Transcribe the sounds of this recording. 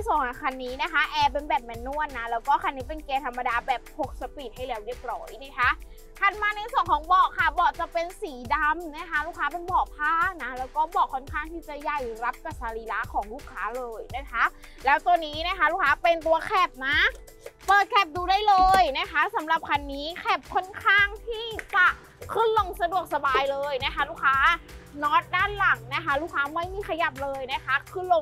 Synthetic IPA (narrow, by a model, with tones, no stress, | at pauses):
na˧so˨˩˦ŋʔa˧˩kʰa˧nːiː˦˥na˦˥˩kʰa˦˥ʔɛː˧p̬e˧nbɛː˨˩p̚mɛ˨˧nːu˥˩ənːa˦˥lɛː˦˥wkɔː˥˩kʰa˧nːiː˦˥pe˧nkeː˧t̪ʰa˧mːa˧daː˧bɛː˨˩p̚hʰo˨˩k̚sa˧pi˨˩t̪̚ha˥˩jɾlɛː˦wɾi˦˥˩əp̚ɾɔː˦˥jna˦˥˩kʰa˦˥ʔ | kʰa˧˩nmaː˧na˧jsu˨˩əŋkʰɔː˨˩˦ŋbɔː˨˩kʰa˧˩bɔː˨˩k̚t͡ɕa˨˩pe˧nsiː˩˦da˧mna˦˥˩kʰa˦˥luː˥˩kʰːaː˦˥pe˧nbɔː˨˩pʰaː˥˩k̚na˦˥lɛː˦˥wkɔː˥˩bɔː˨˩kʰːo˥˩nkʰaː˥˩ŋt̪ʰiː˥˩t͡ɕa˨˩ja˨˩jɾa˦˥p̚ka˨˩saː˧li˧˥la˦˥kʰɔː˨˩˦ŋluː˦˥˩kʰːaː˦˥lɤː˧jna˦˥˩kʰa˦˥ʔ | lɛː˦˥wt̪uː˧nːiː˦˥na˦˥kʰa˦˥luː˥˩kʰːaː˦˥pe˧nt̪u˧ɐkʰɛ˧˩p̚naː˦˥˩ | pɤː˨˩t̪̚kʰɛ˧˩p̚duː˧daː˥˩jlɤː˧jna˦˥kʰa˦˥sa˩˦mɾa˨˩p̚kʰa˧nːiː˦˥kʰɛ˧˥˩p̚kʰo˥˩nkʰaː˥˩ŋt̪ʰiː˥˩t͡ɕa˨˩ | kʰɯ˥˩nlo˧ŋsa˧du˨˩ək̚sa˧baː˧jlɤː˧jna˦˥˩kʰa˦˥luː˥˩kʰːaː˦˥nɔː˦˥t̪̚daː˥˩nla˨˩˦ŋna˦˥kʰa˦˥luː˥˩kʰːaː˦˥ma˥˩jmiː˧˩kʰa˧ja˨˩p̚lɤː˧jna˦˥kʰa˦˥kʰɯ˥˩nlo˧ŋ